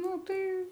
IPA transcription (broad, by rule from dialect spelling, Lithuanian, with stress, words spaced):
ˈnuː ˈtɐɪ